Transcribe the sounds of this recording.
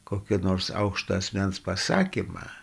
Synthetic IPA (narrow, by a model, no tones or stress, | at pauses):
koːkʲinoːrsɑ̰ʊkʃt̪oɐsʲmʲænspɐsɑːkʲɪmɑ̰ː